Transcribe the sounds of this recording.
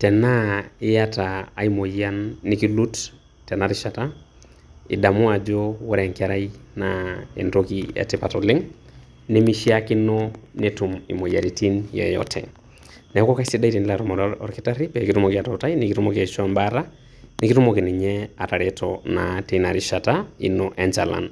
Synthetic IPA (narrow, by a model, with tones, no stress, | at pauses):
tɛ˨na˦ɪ˦ja˦taː˨i˦mo˨janːi˦ki˦lu˦t | tːɛ˨naɾɪʃa˨ta˦ | ɪ̰˨da˨mu˦a˨d͡ʒo˦wɔ˦ɾɛŋkaɾa˦inaḛ˨ntokiɛ̰tɪ˦pa˨tɔlɪ˦ŋ | ne˦mi˦ʃi˦akɪ˦nɔnetu˨mḭ˨mo˨ja˨ɾi˨ti˦njɛ̰jɔ̰tʰɛ̰˨ | nɛ˨˦kɔ˦ka˦isi˦da˦i˦ti˨ni˦laɾumɔ˨ɾɔ̰˨ɾki˦ta˦ɾi˦pɛ˨ki˦tu˦mo˨kia˨tɔta˦jiniki˦tu˦mo˦kɛ˨ʃɔ˦mbaɾa˦ | niki˦tu˦moki˨ni˨ɲɛa˨ta˨ɾetɔnatenaɾiʃa˨taḭ˦nɔʔɛ˨nt͡ʃa˨la̰˨n